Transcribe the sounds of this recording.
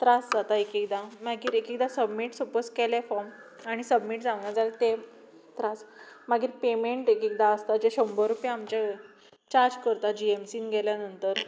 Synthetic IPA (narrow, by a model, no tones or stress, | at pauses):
t̪ɾasd͡zat̪aekekd̪amaɡiːɾekek̚d̪asəbmiːʈsəposkɛlɛfɔɾm | aɽ̃isəbmiːʈd͡zãʋnad͡zalet̪e | t̪ɾasmaɡiːɾpemeɳʈekek̚d̪aəst̪ad͡ʑeɕəmbəɾupjãamt͡ɕe | t͡ɕaɾd͡ʑkəɾt̪ad͡ʑiemsiːnɡʱɛljanənt̪əɾ